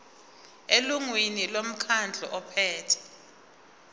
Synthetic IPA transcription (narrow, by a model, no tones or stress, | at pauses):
eluŋwinilom̩kʰand͡ɮʱɔ̰ʔɔpʰɛːtʰɛ̥